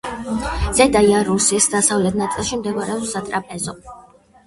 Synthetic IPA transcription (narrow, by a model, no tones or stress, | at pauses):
z̥ɛd̪ajaɾusisd̪asavlɛt̪̚ʰnat̪sʼilˠʃimd̪ɛɡɔɾɛɔsat̪ʼɾapʼɛzɔ